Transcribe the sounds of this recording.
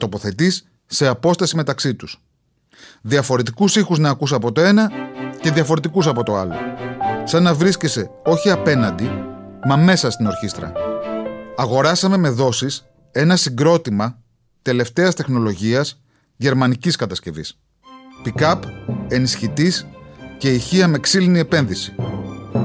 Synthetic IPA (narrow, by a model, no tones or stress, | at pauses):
t̪o̞po̞θe̞t̪isː | e̞ɐpo̞st̪ɐsime̞t̪ɐksit̪us | ðiɐfo̞ɾe̞t̪ikusixuznɐːkuseɐpo̞t̪o̞e̞nɐce̞ðiɐfo̞ɾe̞t̪ikus̬ɐpo̞t̪o̞ɐlo̞̰sɐnɐvɾiscese̞o̞çiɐpe̞nɐnd̪i | mɐme̞sɐst̪ino̞ɾçist̪ɾɐ̰ | ɐɣo̞ɾɐsɐme̞me̞ðo̞sis | e̞nɐsiŋɡɾo̞t̪imɐ | t̪e̞le̞ft̪e̞ɐst̪e̞xno̞lo̞ʝiɐs | ʝe̞ɾmɐniciskɐt̪ɐsce̞vḭs | pikɐpe̞nisçit̪isce̞içiɐme̞ksilinie̞pe̞nðisi̥